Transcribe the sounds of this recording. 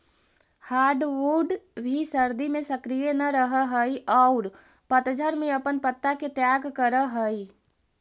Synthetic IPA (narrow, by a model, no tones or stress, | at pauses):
haːɾɖʋoɖbʱisəɾd̪imẽsɐkɾijenɐɾəɦəɦəiʔɔːʊɾ | pət̪d͡ʒʱəɾmẽɐpənpət̪ːaket̪jaːɡkəɾəɦəi